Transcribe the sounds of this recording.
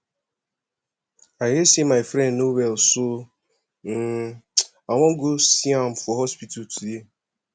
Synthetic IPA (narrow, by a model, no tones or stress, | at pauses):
aɦɪsimaɪfɾɛ̃ndnobɛlso | n̩ | aŋʷɔŋ̩ɡosiam̩fɔɦɔspittuje